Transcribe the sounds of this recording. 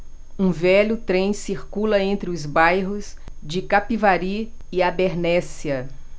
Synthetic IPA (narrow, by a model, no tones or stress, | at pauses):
ũvɛʎʊt̪ɾẽj̃siɾkulɐẽnt̪ɾɪʊzbajɦʊzd͡ʒɪkapivaɾi | ɪabeɾnɛsiɐ